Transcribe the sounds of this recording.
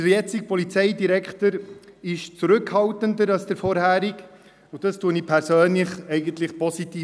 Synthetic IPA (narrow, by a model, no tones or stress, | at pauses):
d̥əɾjɛt͡sɪk̚pɔlit͡sɛɪdiɾɛkχtəɾɪʃt͡suɾʏkhɑltəndəɾɑlsd̥əɾfɔɾhæːɾik | ʊd̥ɑstuənipʰɛɾsøːnlɪχɛɪɡəntlɪχpɔsitiː